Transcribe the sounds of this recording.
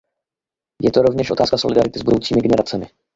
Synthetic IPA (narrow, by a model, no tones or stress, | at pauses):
jɛt̪oɾo̞vɲɛʃʔo̞t̪aːskasolɪdaɾɪt̪ɪzbudowt͡siːmɪɡɛnɛɾat͡sɛmɪ̰